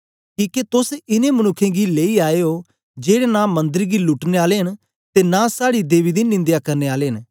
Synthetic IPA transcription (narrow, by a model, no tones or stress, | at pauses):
kiːket̪ʊsɪnẽːmənʊkʰːẽːɡileːiaːeːo | d͡ʒeːɽenãːmə̃nd̪əɾɡiːlʊʈneːaːleːɦən | t̪enãːsaːɽid̪eːʋiːd̪iːnɪ̃nd̪jaːkɐɾneːaːleːɦən